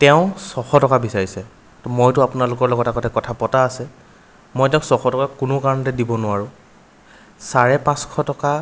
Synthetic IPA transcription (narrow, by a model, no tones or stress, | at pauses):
tɛʊ̃sɔxɔtɔkabisaɹisɛ | tɔmojtʊapʊnalʊkɔɹlɔɡɔtakɔtʰɛkɔtʰapɔtaːsɛ | mojtɛʊ̃sɔxɔtɔkakʊnʊkaɹɔntɛdibɔnʊaɹʊ̃ | saɹɛpãskʰɔtɔka